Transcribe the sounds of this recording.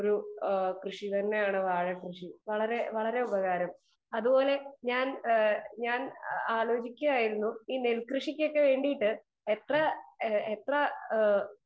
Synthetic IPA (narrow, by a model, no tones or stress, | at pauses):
oɾukrɨʂit̪ɐnːe̞jaːɳɨʋaːɻɐkrɨʂiʋɐɭɐɾe̞ʋɐɭɐɾe̞ubɐɣaːɾɐm | ɐðubo̞ːle̞ɲaːnɲaːnaːlo̞ːt͡ɕikʲːumaːjiɾunːuiːnelkrɨʂikʲːo̞kːe̞ʋe̞ːɳɖijiʈːɨ | et̪rɐet̪rɐ